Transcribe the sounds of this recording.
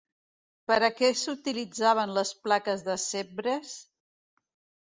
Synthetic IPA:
pəɾəkɛsut̪ilid͡zaβ̞ənləsplakəzðəsebɾes

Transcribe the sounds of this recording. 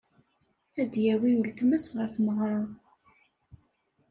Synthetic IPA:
æd̪jæwiult̪mæsʁəɾθməʁɾˤɑ

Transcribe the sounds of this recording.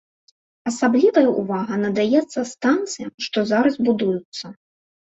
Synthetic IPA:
ɐsablʲivɐjɐʔuvaɣɐnɐd̪ajɛt̪sːɐst̪ant̪sɨjɐʂt̪ɔzaɾɐzbud̪ujut̪sːɐ

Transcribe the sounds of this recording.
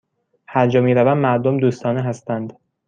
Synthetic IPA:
hæɾd͡ʒɒːmiːɾævæmmæɾd̪omd̪uːst̪ɒːneɦæst̪ænd̪

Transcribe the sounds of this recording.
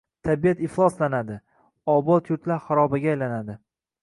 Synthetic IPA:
t̪ʰabijat̪ɪχlˠɒslanad̪ɪ | ɒbɒt̪jʊɾt̪laɾχaɾɒbaɡʲaːjlanad̪ɪ

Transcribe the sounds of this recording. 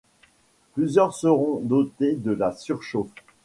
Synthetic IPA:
plyzjœʁsəʁɔ̃d̪ot̪ed̪əlasyʁʃof

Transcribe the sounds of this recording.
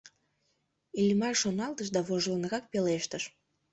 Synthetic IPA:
ilʲmɑrʃonɑlˠt̪əʃ̬d̪ɑβoʒlənɣɑk̚peleʃt̪əʃ

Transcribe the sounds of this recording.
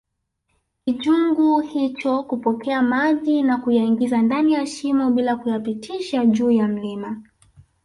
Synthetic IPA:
kiʄuŋɡuhit͡ʃɔkupɔkʰɛamaʄinakujaiŋɡizandanijaʃimɔɓilakujapitʰiʃaʄuːjam̩lima

